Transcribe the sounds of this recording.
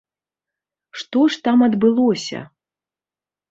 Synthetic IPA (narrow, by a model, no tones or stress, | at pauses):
ʂt̪ɔʂt̪amɐd̪bɨlˠɔsʲɐ̰